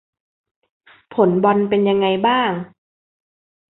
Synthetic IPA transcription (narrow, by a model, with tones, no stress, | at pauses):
pʰo˩˦nbɔ˧npe˧nja˧ŋːa˧jbaː˥˩ŋ